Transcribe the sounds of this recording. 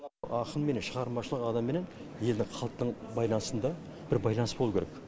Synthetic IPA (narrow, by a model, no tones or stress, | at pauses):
ɑqənme̞nenʃəʁɑɾmɑʃəlˠəqɑd̪ɑmːe̞ne̞nje̞ld̪ɪŋqʰɑlˠt̪ːəɴbɑjlˠɑnəsənd̪ɑ | b̥ɪɾbɑjlˠɑnəsb̥olˠukʲʰeɾek